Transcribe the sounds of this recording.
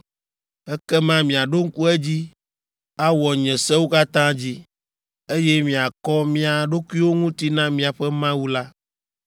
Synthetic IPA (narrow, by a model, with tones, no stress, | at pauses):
ɛ˦kɛ˦mã˦mĩ˨a˨ɖo˦ŋ̩˦ku˦ɛ˦d͡ʑi˦ | a˦wɔ˨ɲɛ̃˨sɛ˦wo˦ka˦t̪ã˦d͡ʑi˦ | e˦jɛ˦mĩ˨a˨kɔ˦mĩ˦a˨ɖo˦ku˦i˦wo˦ŋũ˦t̪i˦nã˦mĩ˨a˨ɸɛ˦mã˦wu˦la˦